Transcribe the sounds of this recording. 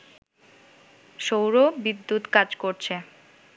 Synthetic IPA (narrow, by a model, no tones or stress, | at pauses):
ʃowɾobid̪ːut̪kad͡ʑkoɾt͡ɕʰe